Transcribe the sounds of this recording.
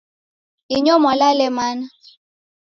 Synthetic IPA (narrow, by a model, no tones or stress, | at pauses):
iɲɔmalalɛmana